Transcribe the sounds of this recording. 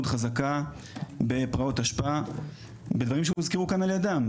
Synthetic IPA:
udχazaka | be̞pʁao̞taʃpaa | be̞d̪vaʁimʃemizkeʁukanaljadam

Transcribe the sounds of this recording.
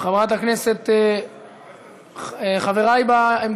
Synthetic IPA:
χavʁat̪hakneset̪ | eχaveʁajbaem

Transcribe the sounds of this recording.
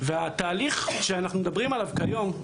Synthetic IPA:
veat̪aːliχʃeanaχnumed̪abʁimalavkajo̞m

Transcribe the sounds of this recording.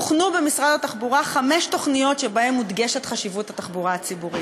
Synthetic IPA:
uχnubemisʁad̪at̪aχbuʁaχame̞ʃto̞χnijo̞tʃe̞bae̞mːud̪ɡe̞ʃet̪χaʃivut̪hat̪aχbuʁaat͡sibuʁi

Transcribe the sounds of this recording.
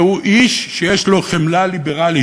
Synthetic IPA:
uʔiʃʃejeʃlo̞χemlalibeʁali

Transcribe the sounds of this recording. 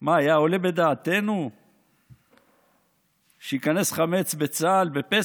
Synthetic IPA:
maːjao̞le̞be̞d̪aːt̪e̞nu | ʃejikane̞sχame̞t͡sbet͡salbe̞pe

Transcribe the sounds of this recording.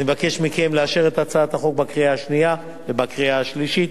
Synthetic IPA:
nimevake̞ʃmikemleaʃeʁet̪at͡saat̪haχo̞k̚bakʁiaaʃnia | vebakʁiaaʃliʃit̪

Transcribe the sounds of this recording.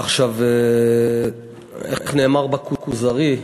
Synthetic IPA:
aχʃave | ḛχneːmaʁbakukuzaʁi

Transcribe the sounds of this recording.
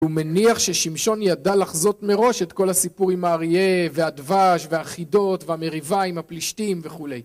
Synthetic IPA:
umeniaχʃeʃimʃo̞njadalaχzo̞t̪me̞ʁo̞ʃe̞t̪ko̞lhasipuʁimaːʁievead̪vaʃveaːχido̞t̪veame̞ʁivaimhapliʃtimve̞χule̞j

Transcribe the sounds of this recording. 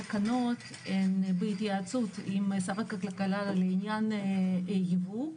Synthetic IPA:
akanot̪ | enbeit̪jaːt͡sut̪imsafekakalkalaleinjanejivu

